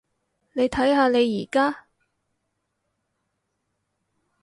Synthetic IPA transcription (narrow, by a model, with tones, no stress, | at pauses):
ne˨˧jt̪ʰɐ˨˥jhaː˧ne˨˧jːiː˨˩kaː˥